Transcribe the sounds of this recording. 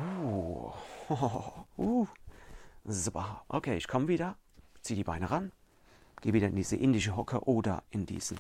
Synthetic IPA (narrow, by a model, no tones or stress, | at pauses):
u | hou | ssobaʔo̰kʰeːɪçkʰɔmviːdɐt͡siːədiːbaɪnəʁan | ɡ̥eːviːdɐɪndiːzəʔɪndɪʃəɦɔkʰəʔoːdɐ̰ʔɪndḭːz̥n̩